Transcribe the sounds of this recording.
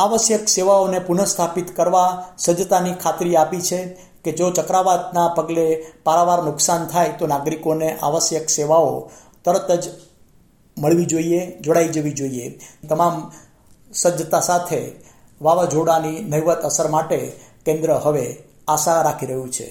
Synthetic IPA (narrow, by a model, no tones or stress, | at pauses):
aʋəsjəkseʋaonepunəst̪ʰapit̪kəɾʋasəd͡ʒət̪anikʰat̪ɾiapit͡ʃʰe | ked͡ʒot͡ʃəkɾaʋat̪napəɡlepaɾaʋaɾnʊksant̪ʰajt̪onaɡɾikoneʔa̰ʋəsjəkseʋao | t̪əɾət̪əd͡ʒ | məɭʋid͡ʒoied͡ʒoɽaid͡ʒəʋid͡ʒoiet̪əmam | səd͡ʒət̪asat̪ʰe | ʋaʋad͡ʒoɽaninəɦiʋət̪əsəɾmaʈekẽnd̪ɾəɦəʋe | asaɾakʰiɾəɦjũt͡ʃʰḛ